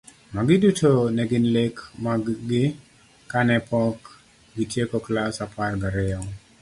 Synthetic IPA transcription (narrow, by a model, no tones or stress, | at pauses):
maɡɪdutʰonɛɡɪnlekmaɡɪ | kanɛpʰɔk | ɡitjekɔklasapʰarɡaɾɛɔ